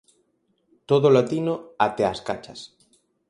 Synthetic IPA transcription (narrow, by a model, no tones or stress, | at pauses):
t̪oðolat̪inoat̪ɛaskat͡ʃɐs